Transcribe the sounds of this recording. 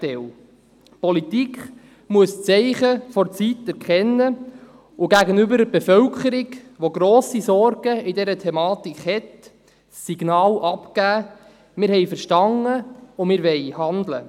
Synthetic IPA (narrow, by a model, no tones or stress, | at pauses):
tɛl | pɔlit̪ikχ | muəst͡sɛɪχəfɔɾt͡sitɛɾkχɛnːə | uɡæɡənʏbəɾəbefœwkʰəɾiɡʋoɡɾoːsisɔɾɡ̥əidɛɾətʰɛmɑːt̪ikχhɛt | siɡ̥nɑːlʔɑpkæː | mɪːɾɦɛjfəɾʃtɑnːəʊmɪːɾʋɛjhɑnd̪lə̰